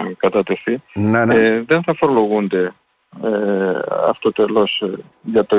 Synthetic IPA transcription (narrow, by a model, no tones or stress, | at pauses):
kɐt̪ɐt̪eθinaneðenθɐfoɾloɣunt̪e | eɐ̰ft̪ot̪elos | ʝɐt̪o